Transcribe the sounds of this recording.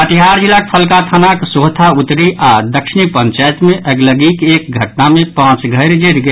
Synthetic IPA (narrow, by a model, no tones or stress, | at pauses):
əʈ̪iɦaɾd͡ʒilːakpʰəlkat̪ʰanaksoɦt̪ʰaut̪ɾiʔad̪əkʃɪnipə̃nt͡ʃajt̪mẽʔəɡləɡikeːk̚ɡʱəʈ̚namẽpãːt͡ʃɡʱəɾd͡ʒeɾɡ